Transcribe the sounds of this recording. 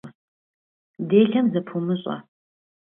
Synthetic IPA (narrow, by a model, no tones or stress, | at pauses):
deːɬɐmzɐpʰumɨɕʼɐ̰